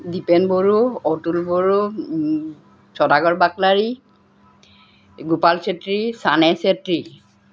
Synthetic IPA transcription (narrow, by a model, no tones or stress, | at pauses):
dipɛnboɹuɔtulboɹu | sɔdaɡɔɹbaklaɹi | ɡupalsetɹisanɛsetɹi